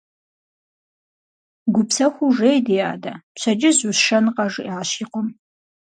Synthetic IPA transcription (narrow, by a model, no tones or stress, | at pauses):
ɡʷʊpsɐxʷuʐejdija̰ːda̰t͡ʃʷʰɐd͡ʒɪzusʃɐnqɐʐaːɕiːqʷɔm